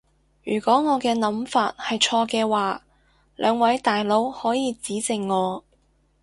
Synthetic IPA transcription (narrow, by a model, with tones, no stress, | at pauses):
jyː˨˩kʷɔː˨˥ŋɔː˨˧kɛː˧nɐ˨˥mfaː˧t̚hɐ˨jt͡ʃʰɔː˧kɛː˧waː˨ | lʔœ̰ː˨˧ŋwɐ˨˥jt̪aː˨jlo˨˥whɔː˨˥jiː˨˧t͡siː˨˥t͡sɪ˨ŋːɔː˨˧